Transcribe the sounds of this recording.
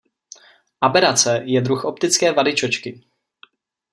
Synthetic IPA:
ʔabɛɾat͡sɛjɛd̪ɾuxʔop̚t̪ɪt͡skɛːvadɪt͡ʃot͡ʃkɪ

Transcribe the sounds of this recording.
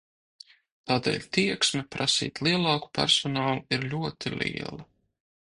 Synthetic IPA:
t̪aːd̪ɛ̰ːlʲt̪iɛksmɛpɾʔasḭːt̪lˠiɛlˠɑːku̥pæ̰ɾsɔnɑːlˠuiɾlʲuɔt̪ʰilḭɛ̰lˠa

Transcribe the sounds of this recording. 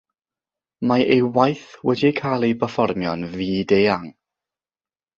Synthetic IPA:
maʔejwajθwɛdiekʰaːlˠejbəfɔrmjɔnviːdeːaŋ

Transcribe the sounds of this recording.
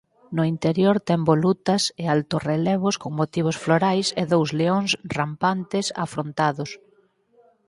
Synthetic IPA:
nʊint̪eɾjoɾt̪ɛmbolut̪ɐsɪalt̪orelɛβ̞ʊskoŋmot̪iβ̞ʊsfloɾajsɪ̰ðowzleoŋsrampant̪ɪsa̰fɾont̪aðʊs

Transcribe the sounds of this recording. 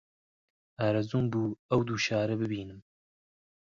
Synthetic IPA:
aːɾɐzuːmbuːɐwd̪uːʃɑːɾɛbɨbiːnɨm

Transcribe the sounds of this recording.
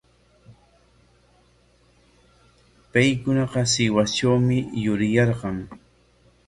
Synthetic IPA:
pajkʊnɑqɑsɪwat͡ʃawmɪjʊɾɪjɑɾɢɑŋ

